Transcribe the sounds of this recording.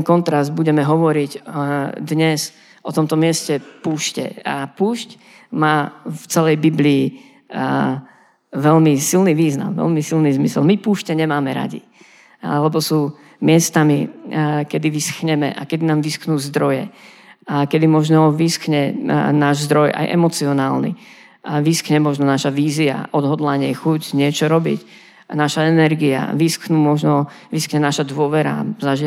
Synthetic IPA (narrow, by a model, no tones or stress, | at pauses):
nkɔnt̪ɾazd̪buɟɛmɛɦɔʋɔɾiɟd̪ɲɛz | ʔɔt̪ɔmt̪ɔmɪɛscɛpuːʃcɛ̰apuːʃc | maːft͡sɛlɛjbibliː | ʋɛlmisilniːʋiːzna̰mʋɛ̰lmisilnizmisɛ̰lmipuːʃcɛɲɛmaːmɛɾa̰ɟḭ | lɛbɔsuː | mɪɛst̪amikɛd̪iʋisxɲɛmɛ̰ʔa̰kɛd̪inaːmʋisxnuːzd̪ɾɔjɛ | akɛd̪imɔʒnɔʋisxɲɛnaːʒzd̪ɾɔjʔa̰jʔɛ̰mɔt͡siɔnaːlnḭ | ʋiskɲɛmɔʒnɔnaʃaʋiːzia̰ʔɔd̪ɦɔd̪laɲɪɛxucɲɪɛt͡ʃɔɾɔbḭc | naʃaɛnɛɾɡia̰ʋisknuːmɔʒnɔ | ʋiskɲɛnaʃad̪ʊɔʋɛɾa̰zaʒi